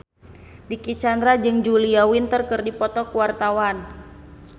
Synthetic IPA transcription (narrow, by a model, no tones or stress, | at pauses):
dikit͡ʃand̪ɾad͡ʒɨŋd͡ʒuliawint̪ərkɨrdipɔt̪ɔkuwart̪awan